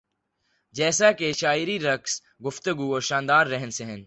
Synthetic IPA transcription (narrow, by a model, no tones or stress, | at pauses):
d͡ʒɛːsakeʃaːɪɾiɾɐks | ɡʊft̪əɡuɔːɾʃãːnd̪aːɾːɛɦnseɦə̃n